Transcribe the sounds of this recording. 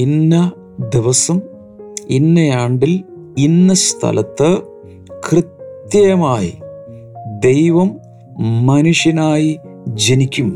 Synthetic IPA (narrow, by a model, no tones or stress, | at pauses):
inːɐ | d̪iʋɐsɐm | inːɐjaːɳɖil | inːɐst̪ʰɐ̰lɐt̪ːɨ | krɨt̪jɐjɐmaːjḭ | d̪ejʋɐmː | ɐnuʂjɐnaːjid͡ʑenikʲːum